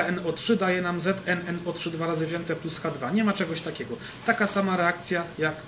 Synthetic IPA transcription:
ɛnɔtʂɘd̪ajɛnamzɛt̪ɛnɛnɔt̪ʂɘd̪vaɾazɘvʑɛnt̪ɛpluskad̪vaɲɛmat͡ʂɛɡɔɕt̪akʲɛɡɔ | t̪akasamaɾɛak̚t̪sʲjajak

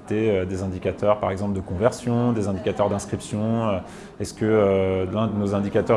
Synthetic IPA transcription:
t̪eød̪ezɛ̃d̪ikʲat̪œʁpaʁɛɡzɑ̃pləd̪əkɔ̃vɛʁsjɔ̃d̪ezɛ̃d̪ikat̪œʁd̪ɛ̃skχipsjɔ̃ø | ɛskəølɛ̃d̪ənozɛ̃d̪ikat̪œʁ

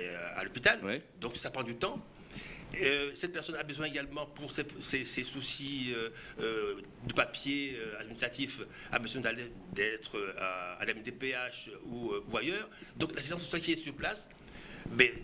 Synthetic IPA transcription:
a̰lɔpit̪ald̪ɔ̃ksapχɑ̃d̪yt̪ɑ̃ | øsɛt̪̚pɛʁsɔnabəzwɛ̃eɡalmɑ̃puʁsɛsesɛsusiø | ø | d̪əpapjeøad̪minist̪χat̪if | a̰bəzwɛ̃d̪ale | d̪ɛt̪χøaa̰lɛmd̪epeaʃuøuajœːʁd̪ɔ̃klasizɑ̃sːɔsjalkʲiɛsyʁplas | bɛ

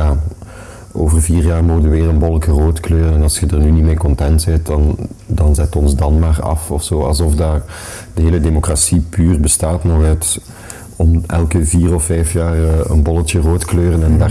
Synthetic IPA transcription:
jaː | o̰ːvərviːrjaːrmoːɣədəʋɪːrənbɔlˠəkəroːtkløːrənɛnɑlˠsxədərnynimeːkɔntɛntzɛtdɑndɑnzɛtɔnzdɑnmaːrɑ̰fɔfsoːɑ̰lˠzɔfdaːr | dəɦeːlədeːmokrasipyːrbəstaːtnɔɣɛt | ɔmɛlkəviːrɔfːɛjfjaːrə̰nbɔlˠətjəroːtkløːrənɛndaː

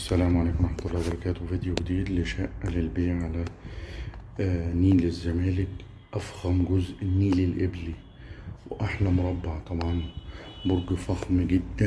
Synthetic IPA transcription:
ʔasːælæːmʕaleːkʊmʔˤɑħmat̪ʊlːɑːwbɑɾˤɑkæːt̪wfad̪juwɡd̪iːd̪lɪʃaʔːlɪlbeːʕʕala | nːiːlɪzːamæːlɪk | ʔæfɣæmɡʊzʔɪnːiːlɪlʔɪbli | wʔaħlamʊɾˤɑbːɪʕt̪ˤɑbʕɑnbʊɾɡfɑxmɡɪd̪ːæ

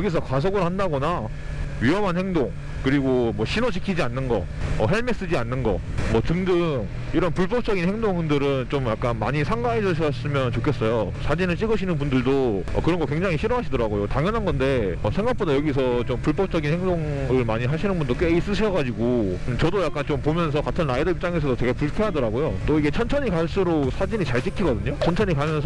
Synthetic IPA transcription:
jʌɡis̬ʰʌkwas̬ʰʌɡɯɭhandaɡʌna | ɥiɦʌmɦanheŋdoŋ | kɯɾiɡomwʌɕʰinot͡ɕʰi̥kʰid͡ʑianːɯnɡʌ̰ | ʌɦeɭme̞s͈ɯd͡ʑianːɯnɡʌ̰mwʌtɯŋdɯŋ | iɾʌnpuɭp͈ʌp̚t͡ɕ͈ʌɡinhe̞ŋdoŋndɯɾɯnt͡ɕomjak͈̚anma̰ɲisʰaŋɡaed͡ʑʌɕ̬ʰʌs͈ɯmjʌnt͡ɕokʰes͈ʌjosʰad͡ʑinɯɭt͡ɕ͈iɡɯɕʰinɯnpundɯɭdoʌ̰kɯɾʌnŋɡʌkwe̞ŋd͡ʑaŋiɕʰiɾʌɦaɕʰidʌɾaɡojotaŋjʌnɦanɡʌnde̞ʌsʰe̞ŋɡak̚p͈odajʌɡis̬ʰʌt͡ɕompuɭp͈ʌp̚t͡ɕ͈ʌɡinheŋdoŋɯɭmaɲiɦaɕʰinɯnbundok͈weis͈ɯɕʰʌɡad͡ʑiɡot͡ɕʌdojak͈̚ant͡ɕompomjʌnsʰʌkatʰɯnɾaidʌip̚t͡ɕ͈aŋes̬ʰʌdot͡ɕe̞ɡepuɭkʰeɦadʌɾaɡojot͈oiɡe̞t͡ɕʰʌnt͡ɕʰʌɲikaɭs͈uɾok̚sʰad͡ʑiɲit͡ɕaɭt͡ɕ͈ikʰiɡʌdɯɲot͡ɕʰʌnt͡ɕʰʌɲikamjʌnsʰʌ

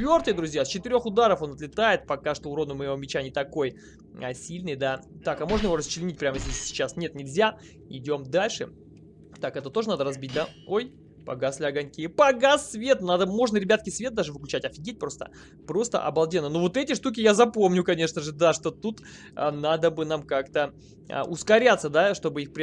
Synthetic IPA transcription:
t̪vʲo̞rt̪ɨjəd̪ɾʊzʲjasʲt͡ɕɪt̪ɨɪɾʲo̞xʊd̪aɾəfo̞nɐt̪lʲɪt̪ajɪt̪̚pɐkaʂt̪oʊɾonʊməjɪvo̞mʲɪt͡ɕanʲɪt̪ɐko̞j | ɐ̰sʲilʲnɨjd̪at̪akɐmo̞ʐnəjɪvo̞ɾəst͡ɕɪlʲɪnʲit̚ʲpɾʲaməzʲdʲesʲsʲɪ̥t͡ɕasnʲe̞t̪nʲɪlʲzʲa | ɪdʲo̞md̪alʲʂɨ | t̪akɛt̪ət̪o̞ʐɨənad̪əɾɐzbʲit̚ʲd̪ao̞j | pɐ̰ɡaslʲɪɐɡɐnʲkʲɪjəpɐɡasvʲe̞t̪nad̪əmo̞ʐnəɾʲɪbʲat̪kʲɪsvʲet̪̚d̪aʐɨvɨklʲʉt͡ɕætʲɐfʲɪɡʲet̚ʲpɾo̞st̪ə̰ | pɾo̞st̪ə̰ʔɐ̰bɐlˠdʲenːənovo̞t̪ɛtʲɪʂt̪uk̬ʲɪjazɐpo̞mnʲʊkɐnʲe̞ʂnəʐɨd̪aʂt̪o̞t̪ut̪ | nad̪əbɨnamkakt̪ə | ə̰ʔʊskɐɾʲat̪sːəd̪aʂt̪o̞bɨixpɾʲ

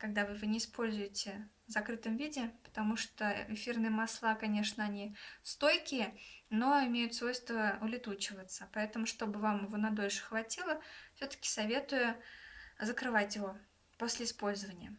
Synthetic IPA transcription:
kɐɡ̚d̪avɨvɨnʲɪːspʰo̞lʲzʊjɪtʲɪvzɐkɾɨt̪əmvʲidʲɪpə̥t̪ɐmuʂt̪o̰ɪfʲirnɨjəmɐslˠakɐnʲe̞ʂnəɐnʲist̪o̞jkʲɪjəno̞ɪmʲejʊt̪svo̞jst̪vəʊlʲɪt̪ut͡ɕɪvət̪səpɐɛt̪əmʊʂt̪o̞bɨvamɪvonɐd̪o̞lʲʂɨ̥xvɐtʲilˠəfsʲot̪ə̥kʲɪ̥sɐvʲe̞t̪ʊjʊ | zəkɾɨvatʲjɪvo̞ | po̞sʲlʲɪɪspo̞lʲzəvənʲɪjə

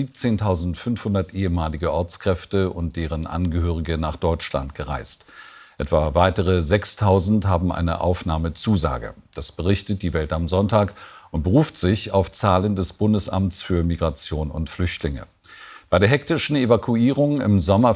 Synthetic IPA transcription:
iːp̚t͡seːntʰaʊzn̩tfʏnfhʊndɐtʔeːəmaːlɪɡəʔɔɐt͡skʁ̥ɛftəʊ̰ntd̥eːʁ̞ənʔa̰nɡəhøːʁ̞ɪɡənaːχd̥ɔʏt͡ʃla̰ntɡ̥əʁa̰ɪst | ʔɛtv̥avaɪtəʁ̞əzɛkstʰaʊzn̩tɦaːbm̩ʔa̰ɪnə̰ʔa̰ʊfnaːmət͡suːza̰ːɡə̰ | d̥asb̥əʁɪçtət̚d̥iːvɛltamzɔntaːkʊnt̚b̥əʁuːftz̥ɪçaʊft͡saːləndɛsb̥ʊndəsʔa̰mtt͡sfyːɐmiɡʁat͡sjoːnʊ̰ntflʏçtlɪŋə̰ | b̥aɪdeːɐɦɛk̚tɪʃn̩evakʰuiːʁ̞ʊŋɪ̰mzɔmɐ

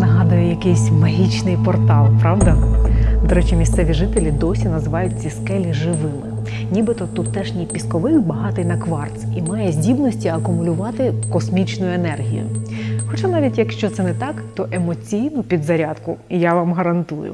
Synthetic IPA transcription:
nɐɦɑd̪ɐjʊjɐkɪjsʲmɐɦʲit͡ʃnɪjpɔrt̪ɑlˠpɾɑʋd̪ɐd̪ɔɾɛt͡ʃimʲist̪sɛʋʲiʒɪt̪elʲid̪ɔsʲinɐzɪʋɑjʊtʲːɐskɛlʲiʒɪʋɪmɪ | nʲibɪt̪ɔt̪ut̪ːɛʒnʲipʲiskɔʋɪxbɐɦɑt̪ɪjnɐkʋɑrt̪simɑjɛzʲdʲibnɔsʲtʲiɐkʊmʊlʲʊʋɑt̪ɪkɔsmʲit͡ʃnʊjʊenɛrɦʲḭjʊ̰xɔt͡ʃanɑʋʲitʲjɐkʃt͡ʃɔt̪sɛnɛt̪ɑkt̪ɔʔemɔt͡sʲijnʊpʲid̪zɐɾʲad̪kʊjaʋɑmɦɐɾɐnt̪ujʊ̰

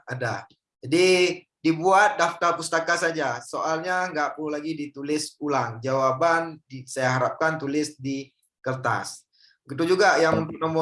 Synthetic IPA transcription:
ada | d͡ʒadi | dibuat̪̚daft̪apust̪akasad͡ʒasoʔalɲaŋɡaʔpʊlaɡidit̪ulɪsulaŋd͡ʒawabandisajaɦaɾap̚kant̪ulɪsdi | kərt̪a̰s | ɡit̪ud͡ʒuɡajaŋunt̪ʊk̚namɔ

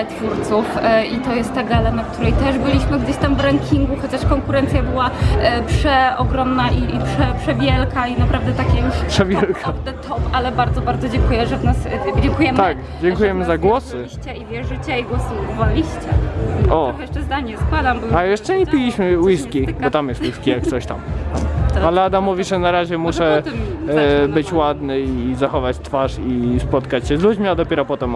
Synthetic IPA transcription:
t̪fuɾt̪sufʔit̪ɔjɛst̪ːɛɡalɛnakt̪uɾɛjt̪ɛʐbɘlʲiɕmɘɡd͡ʑʲeɕt̪amvɾaŋkʲʰiŋɡuxɔt͡ɕaʂkɔŋkuɾɛnt̪sʲjabɘwapʂɛɔɡɾɔmnaʔiipʂɛpʂɛvʲjɛlkainapɾavd̪ɛt̪akʲɛjuʂpʂɛvʲjɛlkʰabd̪ɛt̪ʰɔpalɛbaɾd̪zɔbaɾd̪ɔd͡ʑɛŋkujɛʐɛvnasd͡ʑɛŋkujɛmt̪ak | d͡ʑɛŋkujɛmɘzaɡwɔsɪiɕt͡ɕɛivʲjɛʐɘt͡ɕaiɡwɔsɨvalʲiɕt͡ɕɛɔɔxɛjɛʂt͡ʂɛzd̪aɲɲɛskwad̪ambajɛʂt͡ʂɛɲɛpʲilʲiɕmɘwiskʲibɔt̪amjɛst̪wiskʲijakt̪sɔɕt̪amamalɛad̪amːɔvʲiʐɛnaɾaʑɛmuʂɛ | bɘt͡ɕwad̪nɘizaxɔvat͡ɕt̪faʂispɔt̪kat͡ɕɕɛzlud͡ʑmʲiad̪ɔpʲɛɾɔpɔt̪ɛm

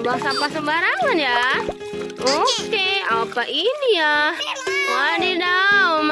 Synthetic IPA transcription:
baŋsapasəmbaɾaŋanja | okeapaʔinia | wanidaom

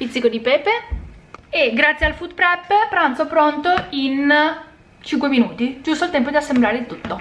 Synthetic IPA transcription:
pit̪sːikod̪ipɛːpe | eɡɾat̪sjealfud̪pɾɛpːpːɾant̪sopɾont̪oin | t͡ʃiŋkweminuːt̪id͡ʒust̪oalt̪ɛmpod̪iasːemblaːɾed̪it̪ut̪ːo

